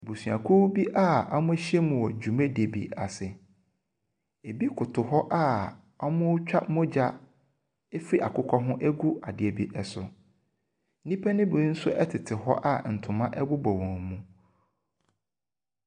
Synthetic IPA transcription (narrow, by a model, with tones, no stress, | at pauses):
e˨bu˨su˨a̰˨kʰu˦bi˦ʔa˦˨ɔ˦mʊ̃˦e˦ɕi˦ɛ˦mũ˨wɔ˨d͡ʑᶣu˨mẽ˦de˨bḭ˨a˨sɪ˨ | e˨bi˦kʰʊ˨tʰʊ˨ɦɔ˦ʔa˦˨ | ɔ˦mʊ̃˦t͡ɕᶣa̰˦mʊ̃˦d͡ʑa˦ | e˦fi˦ʔa˨kʊ˦kʰɔ˦ɦʊ̃˦ʔɛ˦ɡu˦a˨dɪ˨e˨bi˦ʔɛ˨sʊ̰˨˦ | nĩ˦pʰɛ˦nɪ̃˦bʊ˨˦n̩˦sʊ̰˦ʔɛ˦tʰɪ˨tʰɪ˨hɔ˦ʔa˦˨n̩˨tʰʊ̃˨mã˦ʔɛ˦bʊ˦bɔ˨wɔ̃˨mũ˦